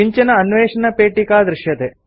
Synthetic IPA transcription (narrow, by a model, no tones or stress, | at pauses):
iɲt͡ʃɐnɐɐnʋeːʂɐnɐpeːʈikaːd̪ɾɪʃjɐt̪eː